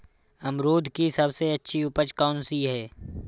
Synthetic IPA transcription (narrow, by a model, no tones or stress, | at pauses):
ɐmɾoːd̪ʱkisɐbseɐtːʃʰiʊpət͡ʃkaːnsiɦɛː